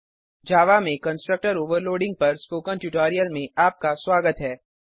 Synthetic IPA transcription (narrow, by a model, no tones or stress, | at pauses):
d͡ʒaːʋamẽkɐ̃nsʈɾək̚ʈəɾoːʋəɾloːɖɪ̃ŋɡ̚pɐɾspoːkə̃nʈuʈaːɾijəlmẽaːp̚kaswaːɡət̪ɦɛː